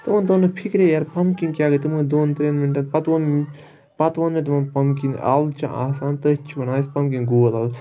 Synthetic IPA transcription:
t̪ɨont̪onɨpʰikɾejaɾpɐmkinkʲjaːɡət̪ɨmud̪oːnt̪ɾeːnminʈɐnpɐt̪ʋon | pɐt̪ʋɐnmẽt̪̬umɐnpɐmkina̰ːlt͡ʃʰã̰ʔa̰ːsaːnt̪ɨt͡ʃʰunaːispɐmkinɡoːlaːl

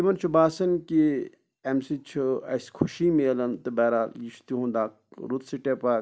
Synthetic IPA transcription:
t̪imɐnt͡ʃʰubaːsɐnki | emsit͡ʃʰuɐ̰skʰuʃimeːlɐnt̪ɨbɛːɾaljit͡ʃʰu̥t̪iɦũnd̪aːkɾut̪siʈepa

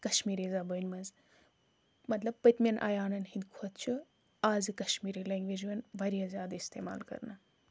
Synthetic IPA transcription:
kɐʃmiːɾizabəːnʲmɐnz | mɐt̪lɐb̚pɐt̪ʲmʲɐnʔa̰ːjaːnɐnhind̪kʰɐt̪̚t͡ʃʰu | aːzɨkɐʃmiːɾileːŋɡʋeːd͡ʒiʋɐnbʱɐɾijazʲjaːd̪aist̪ḛːma̰ːlkɐ̰ɾna

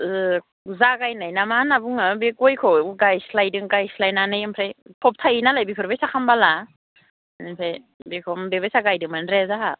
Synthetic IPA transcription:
ɯ | zaɡajnajnamanabuŋabekɔjkʰɔɡajslajdɯŋɡajslajnanɯjampʰɾajpʰɔp̚tʰajinalajbipʰɯɾbajsakʰambala | nipʰaj | bekʰɔmbebajsaɡajdɯŋmanɾezaɦa

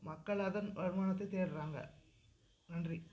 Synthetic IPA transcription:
mɐkːɐɭɐðɐnʋɐɾɯmaːnɐt̪ːɐɪt̪eːɾɾaːŋɡɐ̰ | nɐndri

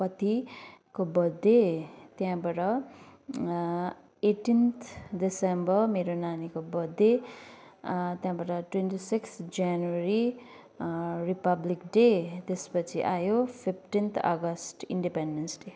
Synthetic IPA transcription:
pʌt̪ikobʌd̪ːet̪jãbaʈʌ | eʈint̪ʰdisembʌmeɾonanikobʌd̪ːe | t̪jãbaʈʌʈwentisikstd͡zanueɾi | ripʌblikɖet̪espʌt͡sʰiʔajopʰipʰʈint̪ʰʌ̰ɡʌsʈiɳɖipenɖensɖe

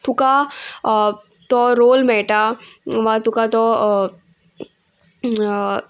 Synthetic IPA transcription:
t̪ʰʊka | t̪ɔɾoːlmɛːʈaʋat̪ukat̪ɔ

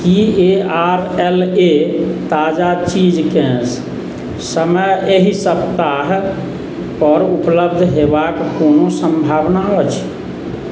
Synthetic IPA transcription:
kieaɾɛlet̪ad͡ʒat͡ʃid͡ʒkɛ̃s | səməjeɦisəbt̪aɦ | pəɾupləbd̪ʱɦebakkːonosə̃mbʱabnaɔt͡ʃʰ

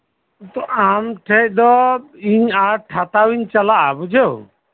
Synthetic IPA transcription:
t̪ɔamʈʰɛc̚ˀd̪ɔiɲaɾʈʰat̪awiɲt͡ʃalaʔabud͡ʒew

